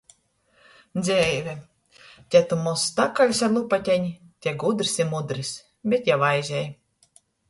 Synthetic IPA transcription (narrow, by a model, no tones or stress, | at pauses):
d̪zʲɛjvʲɛ | t̪ʲɛt̪umɔsːt̪akalʲsaɾlˠupat̪ʲɛɲi | t̪ʲɛɡud̪ɾisimud̪ɾis | bʲet̪javajzʲɛj